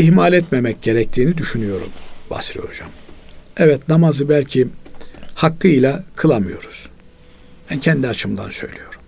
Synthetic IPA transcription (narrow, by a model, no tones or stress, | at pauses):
ihmalʲɛt̪memɛc̚ɟe̞ɾɛc̚t̪ʰiːnid̪yʃynyjo̞ɾṵmba̰sɾioud͡ʒa̰mɛvɛt̪namazɯbælʲcʰi | hakːɯilʲˠakʰɯlˠamɯjo̞̰ɾuz̥ | b̥æncʰɛnd̪iat͡ʃʰɯmd̪a̰nsø̞̰jlʲijo̞ɾum